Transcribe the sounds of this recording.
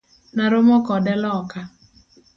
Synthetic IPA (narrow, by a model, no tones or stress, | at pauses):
naɾomɔkɔdɛlɔka